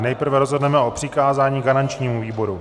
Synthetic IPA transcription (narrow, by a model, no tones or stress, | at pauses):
nɛjpr̩vɛɾo̞zɦo̞dnɛmɛʔo̞pr̝̥ɪkaːzaːɲiːɡanant͡ʃɲiːmuviːbo̞ɾu